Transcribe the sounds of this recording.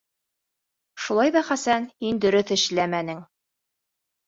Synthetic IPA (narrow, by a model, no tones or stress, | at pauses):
ʃulˠɑjðɑχæsænhind̪ɵ̆ɾɵθɘ̆ʃlæmænɘŋ